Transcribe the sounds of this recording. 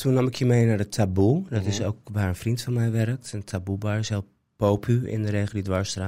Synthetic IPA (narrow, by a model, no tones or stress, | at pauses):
tʰunɔmɪkjəmejnadətʰabudɔtɪsowkʋaːɹənfrintfɔnmɛjʋɛrək̚təntʰabubaɹɪsalˠ | powpʰyɪ̰ndəɾeːχəlˠdidʋaɹstra